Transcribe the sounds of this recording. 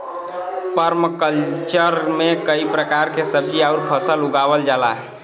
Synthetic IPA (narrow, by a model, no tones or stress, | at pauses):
pəɾmkəlt͡ʃəɾmekəipɾəkaɾkesəb̚d͡ʒiauɾpʰəsəluɡabəld͡ʒala̰ɦ